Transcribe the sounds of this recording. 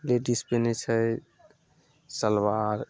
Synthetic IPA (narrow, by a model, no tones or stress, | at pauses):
leɖispenɛt͡ʃʰə | səlwaɾ